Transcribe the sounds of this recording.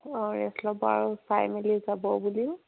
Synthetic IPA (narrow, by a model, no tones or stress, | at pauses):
ɹɛslɔbɔa̰ɹufajmilizabɔbuliʊ